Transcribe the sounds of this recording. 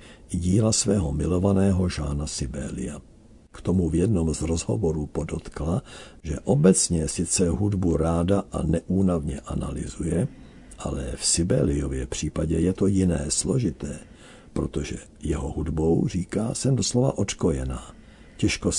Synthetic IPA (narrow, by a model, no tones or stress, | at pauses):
ɟiːlasvɛːɦo̞mɪlo̞vanɛːɦo̞ʒaːnasɪbɛːlɪ̰ja | kt̪omuvjɛdno̞mzɾozɦovoɾuːpodot̪kla | ʒɛʔobɛt͡sɲɛsɪt͡sɛɦudbuɾaːdaʔa̰nɛʔuːnavɲɛʔana̰lɪ̰zujɛ | ʔa̰lɛ̰fsɪbɛ̰ːlɪjovjɛpr̝̥iːpaɟɛjɛt̪o̞jɪnɛːslo̞ʒɪt̪ɛː | pɾo̞t̪oʒɛ | jɛɦoɦudbo̞wr̝iːkaːsɛmdoslova̰ʔo̞t̪kojɛnaː | cɛʃko